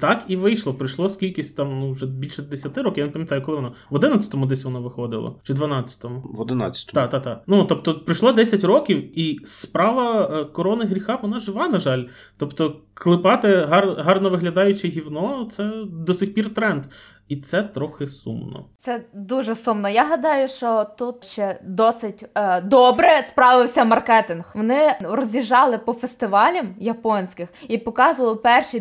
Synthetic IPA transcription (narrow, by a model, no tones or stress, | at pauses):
t̪ɑkiʋɪjʃlˠɔpɾɪjʃlˠɔskʲilʲkʲisʲtʲt̪ɑmnuwʒɛbʲilʲʃɛd̪esʲɐt̪ɪɾɔkʲɪjanɪpɐmʲjɐt̪ɑjʊkɔlˠɪʋɔnaʋɔd̪ɪnɐt͡sʲɐ̥t̪ɔmʊd̪ɛsʲʋɔnaʋɪxɔd̪ɪ̰lˠɐ̰t͡ʃɪd̪ʋɐnɑt͡sʲːɐ̥t̪ɔmʊʋɔd̪ɪna̰t͡sʲːɐ̥t̪ɔd̪ɑkd̪at̪ɑk̚nut̪ɔpt̪ɔpɾɪjʃlˠad̪ɛsʲɐtʲrɔkʲiwispɾɑʋɐkɔɾɔnɪɣɦɾʲixɑfʋɔnɑʒɪʋɑnɐʒɑlʲ | t̪ɔpt̪ɔklˠɪpɑt̪ɪɦɑrɦɑrnɔʋɪɦlʲɐd̪ɑjʊt͡ʃɪɦʲiwnɔt̪sɛd̪ɔsʲɪxʲpʲirt̪ɾɛnd̪ | it̪sɛt̪ɾɔxɪsṵmnɔ̰t̪ɛd̪uʒɛsumnɔjaɦɐd̪ɑjʊʃt͡ʃɔt̪ut̪ʃt͡ʃɛd̪ɔsɪtʲd̪ɔbɾɛspɾɑʋɪwsʲɐmɐrkɛt̪ɪnxʋɔnɪɾɔzʲiʒɑlˠɪpɔfest̪ɪʋɑlʲɐmjɐpɔnʲsʲkɪxipɔkɑzʊʋlˠɔpɛrʃi